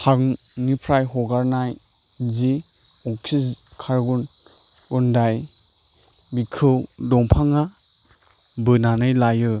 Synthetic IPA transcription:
ha | nipʰɾajɦɔɡaɾnaj | zi | ɔksiskʰaɾɡunɔndaj | bikʰɯwdɔŋpʰaŋa | bɯnanɯjlajɯ

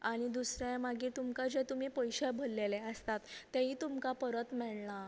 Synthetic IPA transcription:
aɽ̃id̪usɾjãmaɡiːt̪umkad͡ʑet̪um̤ipəjɕebʱəlːeleəst̪at̪ːaɦit̪umkapəɾət̪mɛɭna

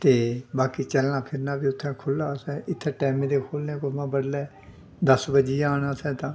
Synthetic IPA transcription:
t̪eːbaːkiːt͡ʃəlnaːpʰɪɾnaːbiːʊt̪ʰːẽːkʰʊlːaːsɛːʔɪt̪ʰːeːʈɛːmẽːd̪eːkʰoːlneːkʊsmãːbəɽlɛː | d̪əsbəd͡ʒiːaːnaːsɛ̃ːt̪ãː

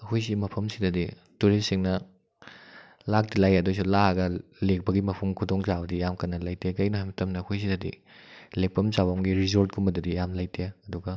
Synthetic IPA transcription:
ɐkʰojs̬imɐpʰɐmsidɐdi | tuɾesiŋnɐ | lak̚dilajɐdojs̬ulaɐɡɐlek̚bɐɡimɐpʰɐmkʰudoŋt͡ʃabɐdijamkɐnːɐlajtʰekɐjnoɦajmɐtɐmnɐːkʰojs̬idɐdḭ | lepːɐmsabɐmɡiɾizoɾt̚kʰumɐdudijamlɐjtʰeɐduɡɐ

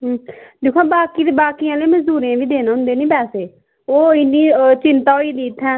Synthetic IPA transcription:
ɦd̪eːkʰuãːbaːkiːd̪ebaːkijãːlẽːməzd̪uːɾãːʋiːd̪eːnːʊ̃nd̪eːnĩːbɛːseː | oːɪnːiːt͡ʃɪnt̪aːoːiːd̪iːt̪ʰːɛ̃ː

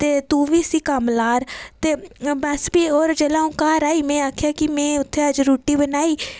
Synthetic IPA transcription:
t̪eːt̪ũːʋiːsiːkəmlaːɾt̪eːbəsbiːoːɾd͡ʒeːlãːũːkaːɾaːiːmɛ̃ːaːkʰjaːkɪmɛ̃ːʊt̪ʰːeːəd͡ʒɾuːʈiːbənaːiː

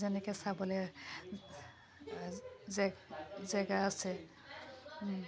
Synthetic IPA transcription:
zɛnɛkɛsabɔlɛ | zzɛɡaasɛ

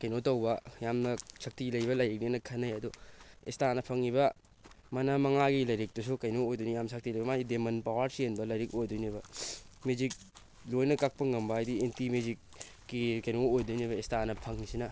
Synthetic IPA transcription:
kɐjnotɐwbɐjamnɐsɐk̚tilɐjbɐlɐjɾik̚ninɐkʰɐnɐjɐduḛstanɐpʰɐŋiβɐ | mɐnɐmɐŋaɡilɐjɾik̚tus̬ukɐjnoojdunijamsʰak̚tilɐjbɐmaɡidemɐnpawaɾsienbɐlɐjɾikojdunibɐmezik̚ | lojnɐkak̚pɐŋɐmbɐajdientimezikː | ikɐjnoojdunibɐestanɐpʰɐŋisinɐ

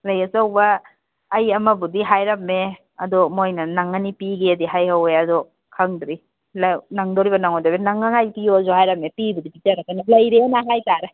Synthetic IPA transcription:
lɐjɐsawbɐː | jɐmɐbudiɦajɾɐmːe | ɐdɔmojnɐnaŋɐnipiɡeɐdiɦajhaweɐdɔ | kʰaŋdɾi | lanaŋdoɾibɐnaŋodobenaŋːaŋajpijozohajɾɐmepibudipitɐɾɐkanalɐjɾeanaɦajtaɾɐ

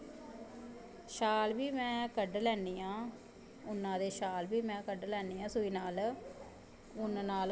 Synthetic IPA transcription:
ʃaːlbiːmɛ̃ːkəɖlɛːniːãː | ʊnːãːd̪eːʃaːlbiːmɛ̃ːkəɖlɛːniːãːsʊiːnaːl | ʊnnaːl

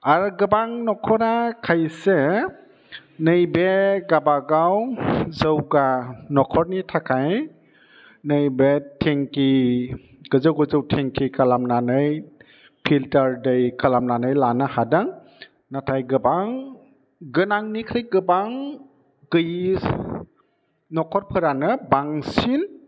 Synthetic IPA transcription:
aɾɡɯbaŋnɔkʰɔɾakʰajse | nɯjbeɡabaɡawzəwɡanɔkʰɔɾnitʰakʰaj | nɯjbetʰeŋki | ɡ̥ɯzɯwɡɯzɯwtʰeŋkʰikʰalamnanɯj | pʰiltaɾdɯjkʰalamnanɯjlanɯhadaŋ | natʰajɡɯbaŋ | ɡɯnaŋnikʰɯjɡɯbaŋ | ɡ̥ɯji | nɔkʰɔɾpʰɯɾanɯbaŋsin

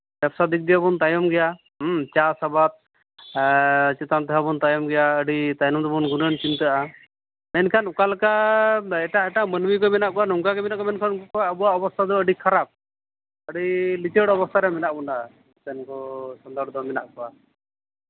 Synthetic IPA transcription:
bɛpsad̪ik̚d̪iabɔnt̪ajɔmɡɛja | t͡ʃasabat̪̚ | t͡ʃit̪amt̪ɛɦabɔnt̪ajɔmɡɛjaəɖit̪ajnɔmd̪ɔbɔnɡunənt͡ʃint̪əʔa | mɛnkʰanukalkaɛʈaɛʈamənmik̬ɔmɛnaʔkɔanɔŋkakɛmɛnaʔkɔmɛnkʰankɔaʔəbuaʔɔbɔst̪ʰad̪ɔəɖikʰaɾap̚ | əɖilit͡ʃəɽɔbɔst̪ʰaɾɛmɛnaʔbɔnaʔa | t̪ɛnkɔsɔnd̪aɾd̪ɔmɛnaʔkɔa

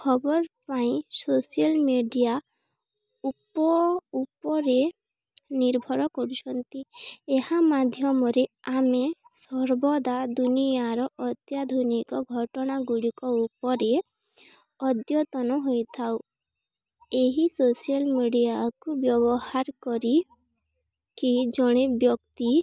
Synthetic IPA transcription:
kʰɔbɔɾpaĩsosijɔlmeɖija | upɔupɔɾe | niɾbʱɔɾɔkɔɾut͡ʃʰɔnt̪iehamad̪ʱjɔmɔɾeame | sɔɾbɔd̪ad̪unijaɾɔʔɔt̪jad̪ʱonikɔɡʱɔʈɔɽ̃aɡuɽikɔupɔɾe | ɔd̪jɔt̪ɔnɔɦojt̪ʰaw | eɦisosialmiɖijakubjɔβɔhaɾkɔɾi | kid͡ʒɔɽ̃ebjɔkt̪i

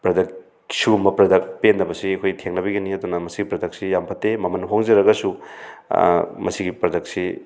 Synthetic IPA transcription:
pɾɐdɐk | sumɐpɾɐdɐk̚pendɐbɐsiɐkʰojtʰeŋnɐbiɡɐniɐdunɐmɐsiɡipɾɐdɐk̚sijampʰɐtːemɐmɐnɦoŋzɐɾɐɡɐsu | mɐsiɡipɾɐdɐk̚si

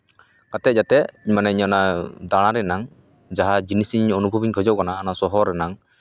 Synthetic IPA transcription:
kat̪ɛʔ̚d͡ʒat̪ɛʔiɲmanɛiɲɔnad̪aɽ̃ãɾɛnaŋ | d͡ʒaɦad͡ʒinisiɲɲɔnubʱɔbiɲkʰɔd͡ʒɔʔ̚kanaːnasɔɦɔɾɛnaŋ

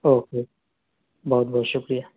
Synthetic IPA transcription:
oːkeː | bɔːt̪̚bɔɦːt̪ʃʊkɾijaː

